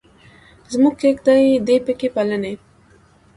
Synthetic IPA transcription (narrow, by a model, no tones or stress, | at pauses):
zmuɡkekd̪ajd̪epəkepaləne